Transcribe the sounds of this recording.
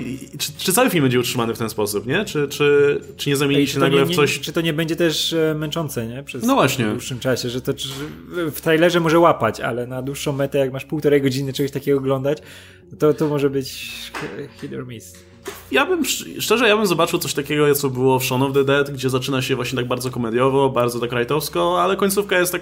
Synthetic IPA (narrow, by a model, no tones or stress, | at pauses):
t͡ʂɘ̥t͡ʂɨt̪sawɘfʲilmbɛɲd͡ʑɛutʂɘmanɘft̪ɛnspɔsupɲɛt͡ʂɘt͡ʂɘt͡ʂɘɲɛzamʲeɲiɕɛnaɡɲɡlɛfsɔɕt͡ʂɨt̪ɔɲɛbɛɲd͡ʑɛt̪ɛʂmɛnt͡ʂɔnt̪sɛɲɛpʂɛsnɔvwaɕɲɛuʂːɨmt͡ʂaɕɛʐɛt̪ɔ | ft̪ɾajlɛʐɛmɔʐɛwapat͡ɕa̰lɛnad̪wuʂːɔ̃w̃mɛt̪ɛjakmaʂpuwt̪ɔɾɛjɡɔd͡ʑinɘt͡ʂɛɡɔɕt̪akʲɛɡɔːɡlɔnd̪at͡ɕ | t̪ɔt̪ɔmɔʐɛbɘt͡ɕ | xid̪ɛɾmʲist̪ | jabɘmʂʂt͡ʂɛʐɛjabɘmzɔbat͡ʂɨwt̪ɔɕʲt̪akʲɛɡɔjaɔbɘwɔfʂɔnɔvd̪ɛd̪ɛt̪ɡd͡ʑɛzat͡ʂɘnaɕɛvwaɕɲɛt̪aɡ̚baɾd̪zɔkɔmɛd̪ʲjɔvɔbaɾdzɔt̪akɾajt̪ɔfskɔalɛkɔɲʲtsufkajɛst̪ːak